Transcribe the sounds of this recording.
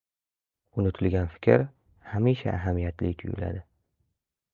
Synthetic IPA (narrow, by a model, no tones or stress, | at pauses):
ʊnɪt̪ʰʊlɡʲanfɪ̥kʲʰɾ | hamiʃa̰ʔːɦamijat̪ʰlɪkʲt̪ʰʊjʊ̰la̰d̪ɪ